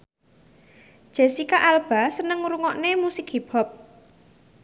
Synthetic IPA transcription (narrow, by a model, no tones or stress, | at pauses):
ʒ̥esikaʔalb̥a̤sənəŋuɾuŋɔʔnemusikhib̥ɔ̤p̚